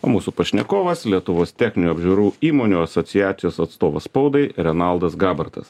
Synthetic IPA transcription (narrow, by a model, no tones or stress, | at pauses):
o̰ːmuːsupɐʃʲnʲɛkoːʋɐslʲiɛt̪ʊʋoːst̪ʲæxʲnʲɪnʲuːɐbʲʒʲʊɾuːiːmoːnʲuːɐsɔt̪sʲɪjæːt̪ʲɪjoːsɐt̪st̪oːʋɐsspɒʊd̪ɐɪɾʲɛnɐlˠd̪ɐsɡɑːbɐɾt̪ɐ̰s